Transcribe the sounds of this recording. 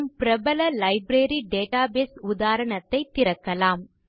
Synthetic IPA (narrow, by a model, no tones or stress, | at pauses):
mpɪɾɐbɐlɐlɐɪbɾeːɾiɖeːʈaːbeːsʊd̪aːɾɐɳɐt̪ːɐɪt̪ːɪɾɐkːɐlaːm